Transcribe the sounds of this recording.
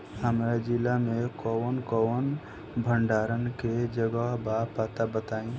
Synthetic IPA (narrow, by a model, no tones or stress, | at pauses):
həmɾad͡ʒilamẽkɔnkɔn | bʱəɳɖaːɾənked͡ʒəɡəɦbapaːt̪abət̪aːĩ